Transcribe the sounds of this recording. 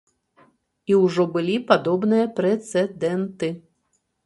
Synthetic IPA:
iwʐɔbɨlʲipad̪ɔbnɨjɐpɾɛt̪sɛd̪ɛnt̪ɨ

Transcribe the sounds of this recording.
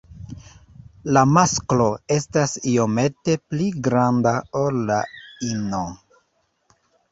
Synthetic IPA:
lamasklo̞e̞stasio̞me̞te̞pliɡɾandaolːaino

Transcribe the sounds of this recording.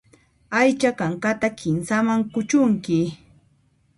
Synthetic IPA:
ajt͡ʃakaŋkat̪akʰɪnsamaŋkʊt͡ʃʊŋkɪ

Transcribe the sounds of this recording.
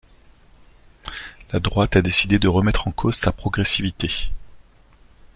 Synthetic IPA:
lad̪ʁwat̪ad̪esid̪ed̪əʁəmɛt̪χɑ̃kʰozsapχɔɡʁesivit̪e

